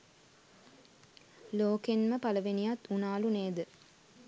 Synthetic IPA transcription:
loːkenməpaləʋenijat̪unaːluneːd̪ə

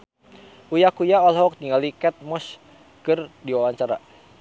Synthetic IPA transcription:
ʔujakujaɔlɦɔk̚t̪iŋɡalikɛt̪̚mɔs | kɨrdiwawaɲt͡ʃaɾa

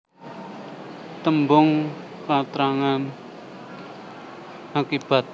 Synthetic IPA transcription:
t̪əmbʊŋ | pat̪ɾaŋan | akib̥a̤t̪̚

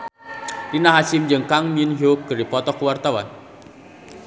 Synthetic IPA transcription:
rinaɦasimd͡ʒəŋkaŋminjoɡ̥ə̤ɾipɔt̪ɔkuwart̪awa̰n

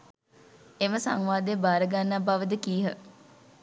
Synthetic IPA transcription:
eməsa̰ŋʋaːd̪ejbaːɾəɡanːabaʋəd̪əkiːɦə

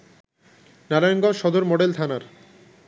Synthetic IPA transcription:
naɾajonɡɔnʃɔd̪oɾmoɖelt̪ʰanaɾ

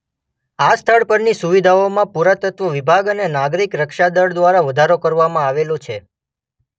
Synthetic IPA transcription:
ast̪ʰəɭpəɾnisuʋid̪ʱaomãpuɾat̪ət̪ʋəʋibʱaɡənenaɡɾikɾəkʃad̪əɭd̪ʋaɾaʋəd̪ʱaɾokəɾʋamãaʋelot͡ʃʰe

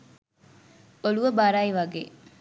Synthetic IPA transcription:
oɭuʋɐbaːɾaːiʋɐɡḛː

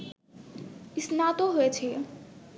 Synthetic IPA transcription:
ɪsnat̪oɦoet͡ʃʰe

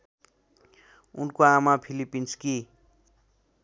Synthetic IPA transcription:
ṵnkoamapʰilipːinski

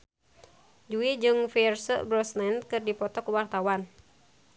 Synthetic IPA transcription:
d͡ʒuid͡ʒɨŋfirsə̰ʔbɾɔsnɛnkɨrdipɔt̪ɔkuwart̪awan

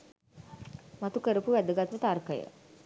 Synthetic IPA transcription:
mat̪ukəɾəpuʋæd̪əɡat̪ʋət̪arkəjə̰

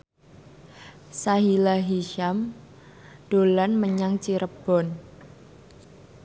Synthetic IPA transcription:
saɦilaɦiʃam | d̥o̤lanməɲaŋt͡ʃiɾəb̥ɔn

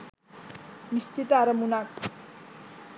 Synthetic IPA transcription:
niʃt̪it̪aɾɐmunak̚

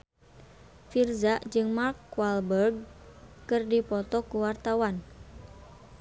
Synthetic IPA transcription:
firzaʔd͡ʒɨŋmarkːwalbərɡ̚kɨrdipɔt̪ɔkuwart̪awan

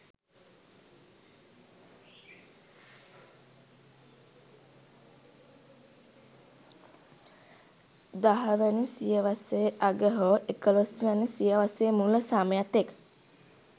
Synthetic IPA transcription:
d̪aɦəʋænəsijəʋasejəʔaɡəɦoʔekəlosʋænəsijəʋasəjəmuləsaməjat̪ek

